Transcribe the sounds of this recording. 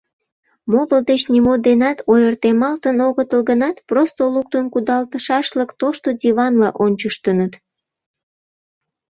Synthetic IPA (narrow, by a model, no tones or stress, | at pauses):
moɣəld̪et͡ɕnimod̪enɑt̪ojərt̪emɑlt̪ənoɣət̪əlɣənɑt̪prost̪oluk̚t̪ənkud̪ɑlt̪əʃɑʃləkt̪oʃt̪od̪ʲiβɑnlɑʔonʲt͡ɕəʃt̪ənət̪